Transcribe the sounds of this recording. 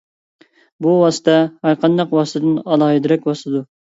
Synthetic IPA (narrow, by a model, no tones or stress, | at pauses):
buwɑsɨ̥t̪ʰɛhæɾqʰɑnd̪ɑqwɑsɨt̪ʰɨd̪ɨnɑlˠɑɦɨd̪ɪɾɛk̚ʲbɑsˠɨd̪u